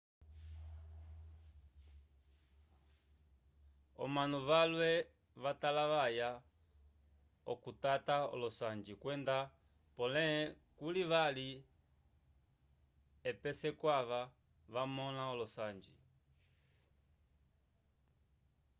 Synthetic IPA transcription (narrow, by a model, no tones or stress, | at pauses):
ɔ̰manuvalwɛ | βatalaʋaja | ɔ̰kutataɔ̰lɔsand͡ʒikwɛnda | pɔlɛ | kuliβali | ɛpɛsɛkwaβa | βamɔnaɔlɔsand͡ʒi